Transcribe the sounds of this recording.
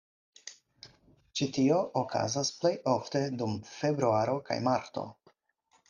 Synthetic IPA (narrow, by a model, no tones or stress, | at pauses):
t͡ʃitio̞ʔokʰa̰zasple̞jo̞fte̞dumfe̞bɾuaɾo̞ka̰jmaɾto̞̰